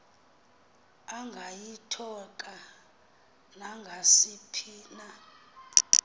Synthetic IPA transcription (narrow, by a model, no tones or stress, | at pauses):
aŋɡʱajitʰɔkʼa | naŋɡʱasipʰiːna